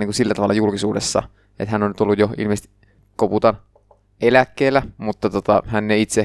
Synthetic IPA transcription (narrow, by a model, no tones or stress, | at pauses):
niːŋkusilːæt̪ɑʋɑlːˑɑjulkisuːdesːɑ̰ | ʔḛt̪hænːonyt̪olːujjoḭlmest̪i | koput̪ɑn | ʔelækːeːlːæmut̪ːɑt̪ot̪ɑ̰hænːeit̪se